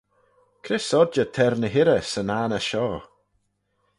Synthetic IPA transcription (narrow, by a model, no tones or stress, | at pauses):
kʰɾɪsɔd͡ʒətʰɛɾnəɦɪɾəsənaːnəʃɔː